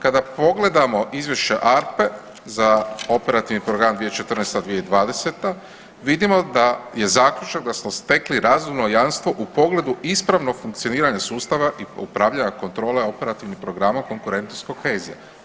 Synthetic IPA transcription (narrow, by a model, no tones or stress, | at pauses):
kad̪apo̞ɡle̞d̪amo̞ʔizʋje̞ʃt͡ɕeʔaɾpe̞ | zao̞pe̞ɾat̪iʋnipɾoɡɾamd̪ʋijet͡ʃet̪r̩nest̪ad̪ʋijeid̪ʋaːd̪e̞se̞t̪a | ʋid̪imo̞d̪aje̞zaːkʎut͡ʃaɡ̚d̪asmost̪e̞kliɾaːzumno̞janst̪ʋo̞ʔupo̞ɡle̞d̪uispɾaʋno̞ɡfuŋk̚t̪sio̞niːɾaɲasuːst̪aʋaʔiṵpɾaːʋʎaɲako̞nt̪ɾo̞ːle̞o̞pe̞ɾat̪iʋnixpɾo̞ɡɾaːmako̞ŋkuɾe̞nt̪noskokhe̞ːzija